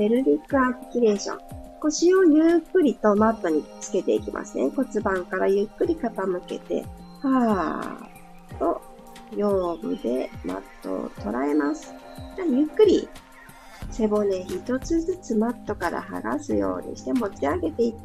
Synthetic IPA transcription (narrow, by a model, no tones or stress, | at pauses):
be̞ɾɯ̟ɾʲikːɯ̟aɸɯ̥kʲiɾe̞ːɕõ̰ŋko̞ɕio̞jɯːkːɯ̟ɾʲit̪o̞mat̪ːo̞ɲ̟it͡sɨ̥ke̞t̪e̞ikʲimʔa̰sɨneko̞t͡sɨbãŋkaɾajɯ̟kːɯ̟ɾʲikat̪amɯ̟ke̞̰t̪e̞̰ | ha | t̪o̞ | jo̞ːbɯ̟̰d̪e̞̰ma̰t̪ːo̞̰t̪o̞ɾae̞masɨ̥ | d̪ajɯ̟kːɯ̟ɾʲḭ | se̞bo̞nẽ̞çit̪o̞t͡sɨzɨt͡sɨmat̪ːo̞kaɾa̰ha̰ɡa̰sɨjo̞̰ːɲ̟ḭɕi̥t̪e̞mo̞t͡ɕiaɡe̞t̪e̞it̪ː